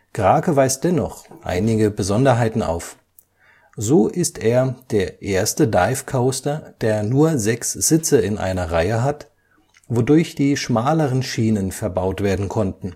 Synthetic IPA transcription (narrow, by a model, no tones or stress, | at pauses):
ɡ̥ʁaːkəvaɪst̚d̥ɛnɔχʔa̰ɪnɪɡəbəzɔndɐɦaɪtn̩a̰ʊf | zoːʔɪstʰeːɐd̥eːɐʔeːɐstədaɪfkʰaʊstɐd̥eːɐnuːɐzɛksz̥ɪt͡səɪnʔa̰ɪnɐʁaɪəɦat | vodʊɐçd̥iːʃmaːləʁənʃiːnənfɛɐbaʊtv̥eːɐdn̩kʰɔntn̩